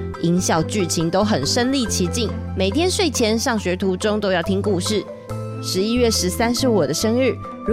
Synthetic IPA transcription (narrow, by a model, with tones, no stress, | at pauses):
i˧˥ŋɕjɑ˨˩ʊt͡ɕy˥˩t͡ɕʰi˧˥ŋt̪o˥ʊxə˨˩nʂə˥nli˥˨t͡ɕʰi˧˥t͡ɕi˥˩ŋ | me˨˩ɪt̪ʰjɛ˥nʂwe˥˩ɪt͡ɕʰjɛ˧˥nʂɑ˥˩ŋɕɥɛ˨˧˥t̪ʰu˧˥ʈ͡ʂo˥ŋt̪o˥ʊjɑ˥˩ʊt̪ʰi˥ŋku˥˧ʂɻ̩˥˩ | ʂɻ̩˧˦i˥ɥɛ˥˩ʂɻ̩˧˥sa˥˦nʂɻ̩˥˩wɔ˨˩d̪ə˦ʂə˥ŋɻ̩˥˩